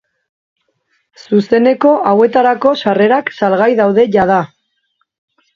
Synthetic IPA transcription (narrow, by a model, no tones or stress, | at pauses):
suse̞ne̞ko̞ʔawe̞t̪aɾako̞sare̞ɾaksalɣajðawðe̞ʝað̞a